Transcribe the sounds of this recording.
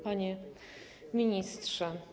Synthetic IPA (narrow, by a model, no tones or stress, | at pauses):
paɲɛ | mʲiɲist̪ʂɛ